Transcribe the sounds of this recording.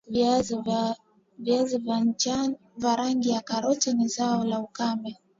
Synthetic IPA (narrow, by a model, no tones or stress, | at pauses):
viazivant͡ʃa | vaɾaŋɡijakaɾɔtɛnizaɔlaukambɛ